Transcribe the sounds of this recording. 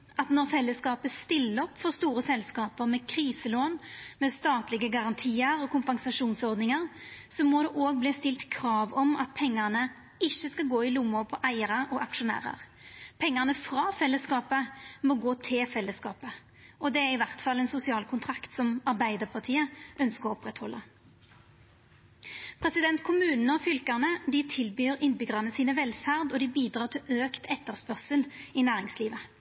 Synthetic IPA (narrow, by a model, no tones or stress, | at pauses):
ʔɑt̪nɔʁfɛlːəskɑːpəst̪ɪlːəɾɔpːfɔʁst̪uːʁəsɛlskɑːpəʁmɛkʰʁiːsəloːnmɛst̪ɑːt̪lɪɡəɡɑʁɑnt̪ʰiːəɾɔkʰʊmpɑŋsɑʂuːnsɔʁd̪nɪŋəʁsɔmɔd̪ɛʔoːɡ̚bliːst̪ɪlt̪kʰɾɑːʋɔmɑt̪̚pʰɛŋːəʁnə | ɪçːəskɑlɡoːɪlʊmːʊpʰɔʔæɪəʁəɔʔɑkʂʊnæ̰ːʁə̰ʁpʰɛŋːənəfʁɑːfɛlːəskɑːpəmɔɡoːt̪ʰɪlfɛlːəskɑ̰ːpə | ɔd̪ɛæʁɪʋæʁt̪fɑlːɛnsʊsɪɑːlkʰʊnt̪ʰʁɑkt̪sɔmɑʁbæɪd̪əʁpʰɑʁt̪ʰiːəʔœnskəʁɔɔpʁɛt̪hɔlːə | pʰʁɛsɪd̪ɛnt̪kʰʊmʉːnnəɔfʏlkəʁnəd̪ɪt̪ʰɪlbyːʁɪnbʏɡʁɑnəsiːnəʋɛlfæʁd̪ɔd̪ɪbiːd̪ʁɑːʁt̪ʰɪløːkt̪ʰɛt̪ːəʁspœʁsəlɪnæːʁɪŋsliːʋə